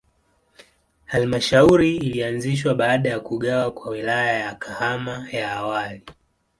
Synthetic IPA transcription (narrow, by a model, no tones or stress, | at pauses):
halmaʃauɾiːlianziʃ̬waɓaːɗajakuɠawakwawilajajakʰahamajaːwali